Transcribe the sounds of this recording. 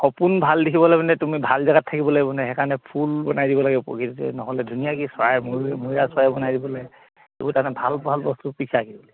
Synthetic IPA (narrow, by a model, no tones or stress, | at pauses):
xɔpunbʱaldikʰibɔlabanɛtumibʱalzaɡatʰːakibɔlabɔnɛɦɛkanɛpʰulbɔnajdibɔlaɡɛpɔ̰kitzɛ̰nɔɦɔlɛdʱunijakiswajɛmumuijaswajbɔnajdibɔlaj | ḛbutanɛbʱalbʱalbɔstupikʰaakibɔlɛ